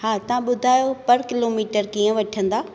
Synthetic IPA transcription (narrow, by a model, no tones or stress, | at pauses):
ɦaːt̪ɐʋ̤ãɓʊd̪ʱaːjopɐɾkɪloːmiːʈəɾkiːə̃ʋɐʈʰə̃nd̪aː